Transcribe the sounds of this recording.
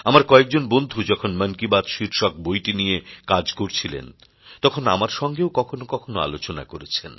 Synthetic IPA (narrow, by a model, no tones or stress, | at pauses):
amaɾkɔek̚d͡ʑonbond̪ʱud͡ʑɔkʰonmənkibad̪ʃiɾʃɔk̚bojʈinijekad͡ʑkoɾt͡ɕʰilḛn | t̪ɔkʰona̰maɾʃɔŋɡeokɔkʰonokɔkʰonoa̰lot͡ɕona̰koɾet͡ɕʰen